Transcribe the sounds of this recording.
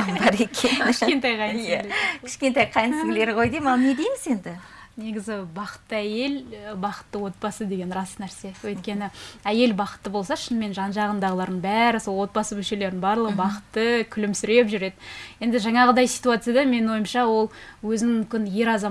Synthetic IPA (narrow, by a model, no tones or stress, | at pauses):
bɑɾekʲʰenkʲɪʃkʲe̞nt̪ɑjqʰɑjnjælekʲʰɪ̥ʃkʲe̞nt̪ɑjqʰɑjənsŋleɾqo̞jd̪emɑlˠned̪e̞jmɪze̞nd̪ɪ | ne̞ɡʲɪzɪbɑqə̥t̪ːəæje̞lbɑqə̥t̪ːəwo̞t̪̚bɑsəd̪e̞ɡʲe̞nrɑsnæɾse̞wɵjt̪kʲe̞nɪæje̞lbɑqə̥t̪ːəbo̞lˠsɑʃɪnme̞nʒɑnʒɑʁənd̪ɑʁəlˠɑɾd̪əɴbæɾɪso̞lˠwo̞t̪̚bɑsəmʏlʃe̞le̞ɾɪnbɑɾlˠəʁəbɑqə̥t̪ːəkʲʰʏlɪmsʏɾe̞pʒʏɾe̞d̪ɪje̞nd̪ɪʒɑɴɑʁəd̪ɑjsi̥t̪uat̪sɨjad̪ɑme̞nɪnwo̞jəmʃɑwo̞lˠwɵzɪnɪkʲɪnje̞ɾɑzɑ